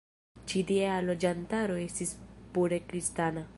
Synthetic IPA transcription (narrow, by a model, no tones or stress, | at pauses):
t͡ʃidiealo̞d͡ʒantaɾo̞e̞stispuɾe̞kɾistana